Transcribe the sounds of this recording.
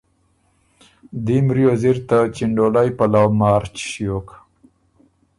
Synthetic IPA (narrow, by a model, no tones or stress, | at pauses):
d̪imɾjoziɾt̪at͡ʃiɳɖolajpalawmɑːɾt͡ʃʃjok